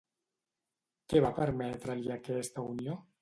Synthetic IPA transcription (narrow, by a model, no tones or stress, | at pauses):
keβapeɾmet̪ɾaliakeest̪aunjo